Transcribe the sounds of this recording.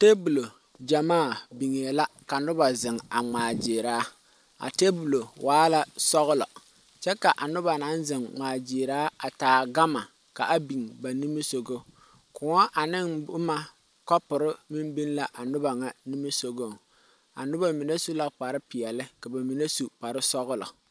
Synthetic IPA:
te˦bu˨lo˨ | d͡ʒa˨maː˦˨bi˨ŋe˨la˦ka˨nʊ˦ba˨zɪ˨ŋa˨ŋ͡maː˨d͡ʒɪː˨ɾaː˦ | a̰˨te˦bu˨lo˨wʔaː˦la˦sɔ˦ɣʊ˦lɔ̰˨ | t͡ʃɛ˦ka˨ʔa˨nʊ˦ba˨na˦nzɪ˨ŋŋ͡maː˨d͡ʒɪː˨ɾaː˦a˨taː˨ɡa˦ma˨ | ka˨ʔa˦bi˨ŋba˨ni˦mi˦so˨ɡo˦ | kʊ˨ŋɔ˦ʔa˨nɪ˦ŋʊ˦ma˦ | kɔ˦pʊ˨ɾɪ˦mi˦mbi˦nla˦ʔa˨nʊ˦ba˨ŋa˦ni˦mi˦so˦ɡo˦˨ | a̰˨nʊ˦ba˨mi˨ne˦su˦la˦k͡pa˨ɾɪ˦pɪ˨ɛ˨lɪ˦ka˨ba˨mi˨ne˦su˨pa˨ɾɪ˦sɔ˦ɣʊ˦lɔ̰˨

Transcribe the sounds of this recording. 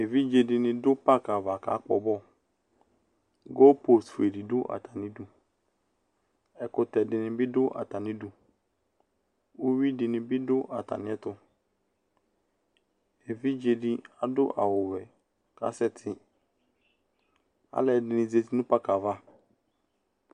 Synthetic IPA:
e˨vi˦d͡ʒe˨dɪ˨nɪ̃˨dʊ˦pa˦ka˨va˨ka̰˨˦k͡pɔ̰˨bɔ˦ | ɡɔ˦po˨sfu˨e˨di˨dʊ˦ʔa̰˨tʰa˨nɪ̃˦du˨ | ɛ˨kʊ˨tɛ˨dɪ˨nɪ̃˨bɪ˦dʊ˦ʔa̰˨ta˨nɪ̃˦du˨ | o˦wi˦dɪ˨nɪ̃˨bɪ˦dʊ˦ʔa˨ta̰˨nɪ̃˦ɛ˦tʊ˦ | e˨vi˦d͡ʒe˨di˦a˨dʊ̰˦ʔa̰˨wʊ˨wɛ˨ | ka̰˨˦sɛ˦tʰɪ˨ | a̰˦lɛ˨dɪ˨nɪ̃˨ze˨ti˦nʊ̃˦pa˦ka˨va˦

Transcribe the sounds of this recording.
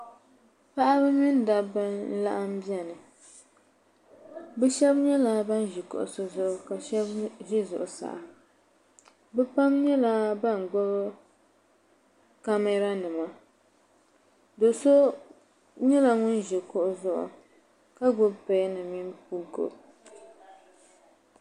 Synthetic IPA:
pa˦ʔa˦bɨ˦mi˦n˦da˨bɨ˦n̩˦la˦ʔa˦m̩˦bi˦ɛ˨nɨ˨ | bɛ˦ʃɛ˦bɲɛ˦la˨ba˦nʒi˨kʊ̰˨ʔʊ̰˨so˦zʊ˦ʔʊ˨ka˨ʃɛ˦bʒi˦zʊ˨ʔʊ˨sa̰˨ʔa˨ | bɛ˦pa˦mɲɛ˦la˦ba˦˨ŋ˨ɡo˦b | ka˦mɛ˦ɾa˦nɨ˨ma˦ | do˨ʊ˨so˦ | ɲɛ˦la˨ŋʊ˦n˦ʒɛ˨kʊ˦ʔʊ˦zʊ˦ʔʊ̰˨ | ka˦ɡʊ˦bpe˦nɨ˨mi˦np̚u˦ɡo̰˨b

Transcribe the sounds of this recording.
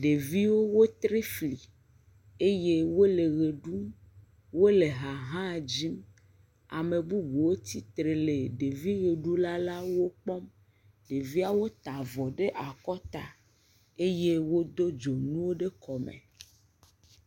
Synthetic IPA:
ɖe˨vi˦wo˦wo˦t̪ɾe˦fli˨ | e˦je˦wo˦le˨ɣe˨ɖu˦m | wo˦le˨ɦa˨ɦã˦˨d͡ʑi˦m | a̰˨me˨bu˦bu˨wo˦t̪i˦t̪ɾe˨le˨ɖe˨vi˦ɣe˨ɖu˦la˦la˦wo˦k͡pɔ˦m | ɖe˨vi˦a˦wo˦t̪a˨vɔ˨ɖe˦ʔa˨kɔ˦t̪a˨ | e˦je˦wo˦d̪o˦d͡ʒo˨nũ˦wo˦ɖe˦kɔ˨mḛ˨

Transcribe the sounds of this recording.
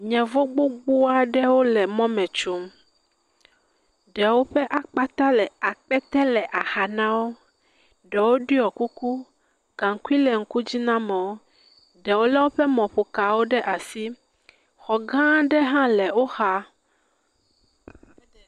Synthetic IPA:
ɲɛ̃˨vo˦ɡ͡bo˦ɡ͡bo˦a˦ɖɛ˦wo˦lɛ˨mɔ̃˦mɛ̃˨t͡ʃu˨˦m | ɖɛ˨wo˦ɸɛ˦ʔa˨k͡pa˦t̪a˦lɛ˨a˨k͡pɛ˦t̪ɛ˦lɛ˨ʔa˨xa˨nã˦wo˦ | ɖɛ˨wo˦ɖi˦ɔ˨ku˦ku˦ | ɡ̥ã˨ŋ˦ku˦i˦lɛ˨ŋ̩˦ku˦d͡ʑi˦nã˦mɛ̃˨wo˦ | ɖɛ˨wo˦lɛ˦wo˦ɸɛ˦mɔ̃˨ɸo˨ka˨wo˦ɖɛ˦ʔa˨si˦ | xɔ˨ɡã˦ɖɛ˦ɦã˦lɛ˨wo˦xa˦

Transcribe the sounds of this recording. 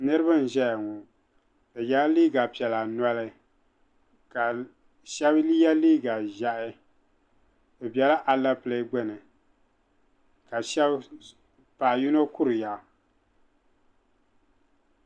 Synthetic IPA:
nɨ˦ɾɨ˦ba˦n̩˨ʒɛ˦ja˨ŋɔ˨ | bɨ˨ja˦liː˦ɡa˨pi˨ɛ˨la˨na˦lɨ˦ | ka˨ | ʃɛ˦bli˦ja˦liː˦ɡa˨ʒa˨ʔɪ˦ | bɨ˨bjɛ˦la˦ʔa˨la˦ple˦ɡ͡bɨ˦nɨ˨ | ka˨ʃɛ˦b | pa˨ʔju˦no˦kʊ˦ɾɨ˨ja˨

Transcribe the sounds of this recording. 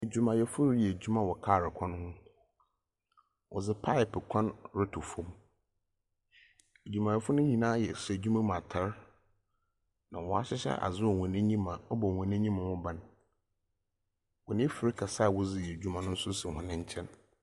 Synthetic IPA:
e˨d͡ʑᶣu˨mã˨jɛ˨fʊ˦ɾjɛ˨d͡ʑᶣu˦mã˨wɔ˨kʰaː˦˨ɾɪ˨kʰɔ̃˦n˦hʊ̃˦ | wʔɔ̰˨zɪ˦pʰa˦ɪ˨pɪ˨kʰɔ̃˦nɾɪ˦tʰʊ˨fõ˦m | e˨d͡ʑᶣu˨mã˨jɛ˨fʊ˦nʊ̃˦ɲĩ˨nãː˦jɛ˨sd͡ʑᶣu˦mã˦m˨ã˨tʰa˦ɾ | nã˨wɔ˨a˨ɕɪ˦ɕɛ̰˦ʔa̰˨zɪ˦wɔ˨hɔ̃˨nĩ˦ɲĩ˦mã˨ɔ˦bɔ˨hɔ̃˨nĩ˦ɲĩ˦mã˨hʊ̃˦bã˨n | wɔ˨nɪ̃˦fɪ˨ɾɪ˦kʰa˨sa˦˨wʊ˦zɪ˦jɛ˨d͡ʑᶣu˦mã˨nʊ̃˦n̩˦sʊ˦sɪ˨hʊ̃˨nɪ̃˦ɲ̩˦t͡ɕʰɛ̃˦n

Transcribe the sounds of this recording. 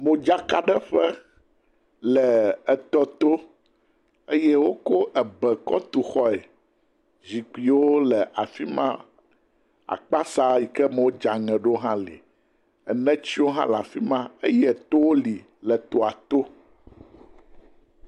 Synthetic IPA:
mõ˨d͡ʒa˦ka˨ɖɛ˦ɸɛ˦ | lɛ˨ɛ˨t̪ɔ˦t̪o˦ | e˦jɛ˦wo˦ko˦ʔɛ˨bɛ˨kɔ̰˦t̪u˨xɔ˦e˨ | zi˨ki˨wo˦lɛ˨ʔa˨fi˦mã̰˦ | a̰˨k͡pa˦sa˦ji˨kɛ˦mɛ˨wo˦d͡ʒa˨ŋɛ̃˨ɖo˦ɦã˦lḭ˨ | ɛ˨nɛ̃˦t͡ɕi˦wo˦ɦã̰˦la˨fi˦mã˦e˦jɛ˦t̪o˦wo˦li˨ | lɛ˨t̪o˨a˨t̪o˦

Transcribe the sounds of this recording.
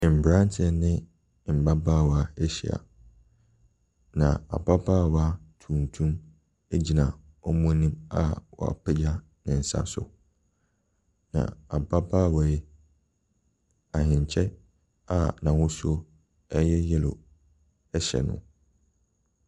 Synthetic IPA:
m̩˨bɾã˦n˦tʰɛ˦nɪ̃˦˨ | m̩˨ba˦baː˦˨wa˦˨ɛ˦ɕɛ̰˨a̰˨ | nã̰˨a̰˨ba˦baː˦˨wa˦tʰũ˨n˨tʰũ˦m | e˦d͡ʑi˦nã˨ | ɔ˦mʊ̃˦nĩ˦ma˦wɔ̰˨a̰˨pʰɛ˦d͡ʑa˦ | nɪ̃˨n̩˨sa̰˦sʊ̰˨ | nã̰˨a˨ba˦baː˦˨wa˨ɛ˦ | a˨hɪ̃˨ɲ˨t͡ɕʰɛ˦ | a˦˨nã˨wʊ̃˦su˦o˦ | ɛ˦jɛ˦jɛ˦lo̰˨ | ɛ˦ɕɛ̰˨nʊ̰̃˦

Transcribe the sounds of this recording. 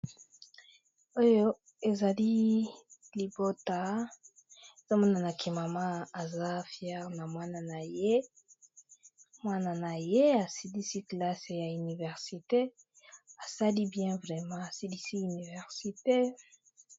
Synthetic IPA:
o˦jo˦ | e˨za˨li˦ | li˨bo˦ta˨ | e˨za˦mɔ˦na˨na˨kʰɛ˨ma˨mã˦a˨za˦fjɛ˦ʁna˨mwa˦na˨na˨je˦ | mwa˦na˨na˨je˦a˨si˨di˦si˦kla˦se˨ja˨y˨ni˨vɛ˨ʁsi˨te˦ | a˨sa˦li˦bjɛ̃˦vʁɛ˨mɑ̃˦a˨si˦li˦si˦y˨ni˨vɛ˨ʁsi˨te˦

